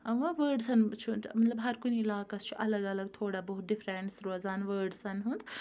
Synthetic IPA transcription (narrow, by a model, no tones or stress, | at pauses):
ɐʋãʋəːɾɖsɐnt͡ʃʰumɐt̪lɐbɦɐɾkuniilaːkɐst͡ʃʰuʔɐləɡɐləɡ̚t̪ʰoːɽabɐɦut̪̚ɖifɾeɳʈsɾoːzaːnʋəːɾɖsɐnɦũnd̪